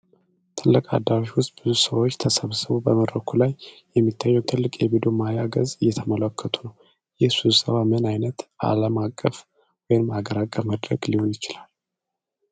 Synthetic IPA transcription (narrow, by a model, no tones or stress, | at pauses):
t̪ʰɨlːəkʼa̰d̪ːawoʃwʊst̪̚ʼb̥ɨzusəwot͡ʃːt̪ʰəsəβsɨβubəməd̪ɾəkʰulajː | ɛmːit̪ʰːajːɛwt̪ʰɨlːɨkʼjɛβid̪omajaɡəzɨjːɛt̪ʰəmələkʰːət̪ʰunəw | jɪhsusəβamɨnajnət̪ʔa̰ləmakʼːəf | wɔjɪnmaɡəɾakʼːəməd̪ɾəɡliho̞njɪt͡ʃɪlal